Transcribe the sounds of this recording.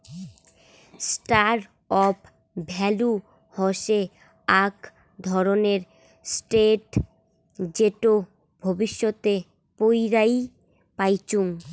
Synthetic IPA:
sʈaɾ | ɔp | bʱɛlu | hɔʃe | ak | d̪ʱɔɾoneɾ | sʈeʈ | d͡ʑeʈo | bʱobiʃːot̪e | pojɾaj | pajt͡ɕuŋ

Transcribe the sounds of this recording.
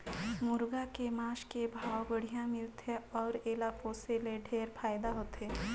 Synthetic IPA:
mʊɾɡakemãːʃkebʱaːwbəɽ̤ijãmɪlt̪eɔːɾeːlaːkoseleɖʱeːɾpʰaːjd̪aɦoːt̪eː

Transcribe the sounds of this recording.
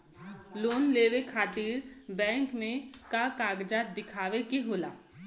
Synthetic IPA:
loːnleːʋekʰaːt̪iːɾbɛ̃ːŋkmẽkakaːɡd͡ʒad̪ɪkʰaːʋekeɦoːla̰ː

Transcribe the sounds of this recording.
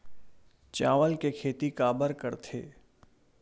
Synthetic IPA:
t͡ʃaːʋəlkekʰeːt̪ikaːbəɾkəɾt̪ʰḛː

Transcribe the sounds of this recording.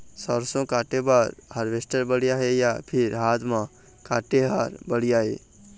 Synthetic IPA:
sɔɾsõkaːʈebaːɾhəɾʋesʈəɾbəɽijaːɦejapʰɪɾɦaːt̪ʰmã | kaːʈeɦaːɾbəɽ̤ijaɦḛː

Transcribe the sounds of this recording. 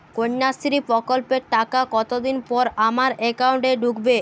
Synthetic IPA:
koɲːast̪ɾipɾɔkolpeɾʈakakɔt̪od̪inpɔɾamaɾekawɳʈeɖukbe

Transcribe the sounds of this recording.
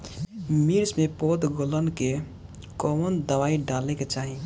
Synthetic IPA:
miɾd͡ʒmepod̪ɡolənke | kɔmənd̪əʋaiɖaleket͡ʃaɦi

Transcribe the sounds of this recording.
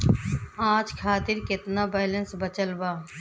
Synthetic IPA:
ãːd͡ʒkʰaːt̪ɪɾkɪt̪nabɛːlə̃nsbət͡ʃəlbaː

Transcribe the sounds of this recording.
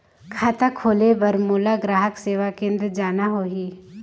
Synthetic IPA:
kʰaːt̪akʰoːlebɐɾmuːlaɡɾaːɦəkseːʋakẽːnd̪ɾəd͡ʒaːnaɦoːɦiː

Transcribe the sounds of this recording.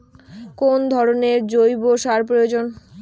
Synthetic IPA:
kond̪ʱɔɾoneɾd͡ʑojboʃaɾpɾojod͡ʑon

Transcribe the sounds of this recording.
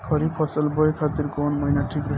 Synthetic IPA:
kʰʌɾipʰɔsʌlbʌjkʰat̪iɾkonmʌjnaʈʰikɾʌɦ

